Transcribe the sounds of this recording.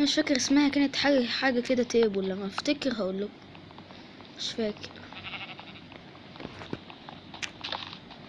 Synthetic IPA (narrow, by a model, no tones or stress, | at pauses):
meʃfæːkeɾʔesmæːhækæːnet̪ħaːɡæħaːɡæked̪æt̪eʔbwlːæmːæʔæft̪ækeɾɦæʔuːlːæk | meʃfæːke̥ɾ